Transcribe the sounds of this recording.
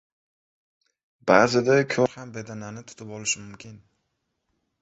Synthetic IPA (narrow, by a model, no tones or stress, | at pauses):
baːzɪd̪akʲʰoɾhambe̞d̪ananɪt̪ʰʊ̥t̪ʰɪpɒlɪʃɪmʊmkʲʰɪn